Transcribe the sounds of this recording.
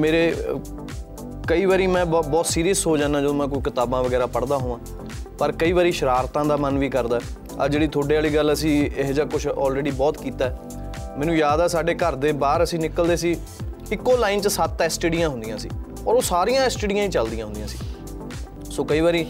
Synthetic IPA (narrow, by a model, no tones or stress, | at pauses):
meːɾeː | kəiːʋaːɾiːmɛ̃ːbbɔːt̪siːɾiːəsɦoːd͡ʒãːnãːd͡ʒod̪oːmɛ̃ːkoikɪt̪aːbãːʋəɡɛːɾaːpəɽd̪aːɦoːʋãː | pəɾkəiːʋaːɾiːʃəɾaːɾt̪ãːd̪aːmənʋiːkəɾd̪aːɦɛ | əd͡ʒeːɽiːt̪ʰoːɖeːaːliːɡələsĩːɪɦd͡ʒaːkʊt͡ʃʰɔ̰ːlɾeːɖiːbɔːt̪kiːt̪aːɛː | mɛ̃ːnũːjaːd̪ɛːsaːɖeːkəɾd̪eːbaːɾəsĩːnɪkəld̪eːsiː | ɪkːoːlaːɪint͡ʃsat̪ːɛsʈeːɖijãːɦʊ̃nd̪ijãːsḭː | ɔːɾoːsaːɾijãːɛsʈeːɖijãːĩːt͡ʃəld̪ijãːɦʊnd̪ijãːsi̥ː | soːkəiːʋaːɾiː